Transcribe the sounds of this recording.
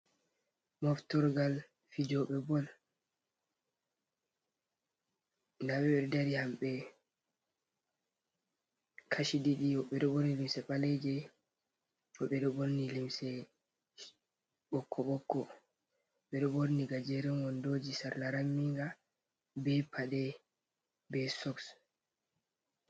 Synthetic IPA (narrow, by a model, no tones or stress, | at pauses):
mɔftɔɾɡal | fid͡ʒɔɓɛbɔl | ndaɓɛɓɛɾdaɾihamɓɛ | kʰaʃidiɗiɔɓɛɗɔboɾnilimsɛpalɛd͡ʒɛ | ɔɓɛɗɔboɾnilimsɛ | ɓɔkʰːɔɓɔkːɔ | ɓɛɗɔboɾniɡad͡ʒɛɾɛŋɡɔndoːd͡ʒisaɾlaɾamːiŋɡa | bɛpʰaɗɛ | bɛsɔks